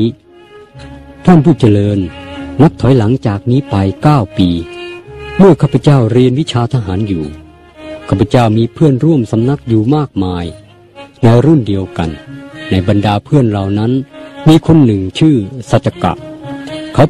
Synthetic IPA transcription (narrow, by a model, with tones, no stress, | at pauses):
t̪ʰaː˥˩npʰuː˥˩t͡ɕa˧lɤː˧nŋa˦˥p̚t̪ʰɔ˨˩˦jla˩˦ŋt͡ɕaː˨˩k̚miː˧˥pa˧jkaː˥˩wpiː˧ | mɯ˥˩ɐkʰaː˥˩pʰa˧˥t͡ɕa˥˩wɾi˧ənwi˦˥t͡ɕʰaː˧t̪ʰa˧ɦaː˩˦njuː˨˩ | kʰaː˧˩pʰːa˧t͡ɕa˥˩wmiː˧pʰɯ˥˩ənɾu˥˩əmsa˨˦mna˧˦˥k̚juː˨˩maː˥˩k̚maː˧j | na˧jɾu˥˩ndi˧əwka̰˨nːa˧jba˧ndaː˧pʰɯ˥˩ənlaː˨˩wna˦˥nmiː˧kʰo˧˥nːɯ˨˩ŋt͡ɕʰɯː˥˩sa˨˧˩t̪̚t͡ɕa˧ka̰˨˩ʔkʰa˨˦˥w